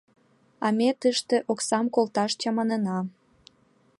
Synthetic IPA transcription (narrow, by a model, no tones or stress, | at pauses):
ɑmet̪əʃt̪eʔoksɑmkolt̪ɑʃt͡ɕɑmɑnənɑ